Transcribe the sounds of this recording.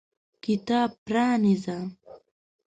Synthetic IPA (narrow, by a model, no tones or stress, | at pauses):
kɪt̪aːpɾaːnɪza